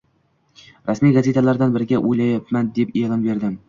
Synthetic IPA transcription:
ɾasmijɡaze̞t̪ʰalaɾd̪anbɪɾɪɡʲaʔojlajapmand̪e̞pelˠɒmbe̞ɾd̪ɪm

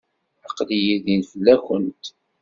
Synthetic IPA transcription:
əqlijiðinfəlːæçənt̪

